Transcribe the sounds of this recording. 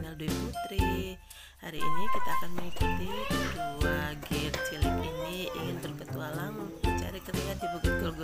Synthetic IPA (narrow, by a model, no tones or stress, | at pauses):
ŋalduiput̪ɾi | haɾiʔːnikit̪aːkanməŋikut̪iduaɡɛrt͡ʃiliminiḭŋɪnt̪ərɡət̪uwalamu | t͡ʃa̰ɾit͡ʃəriɦat̪̚dibuɡət̪̚ɡɔlɡ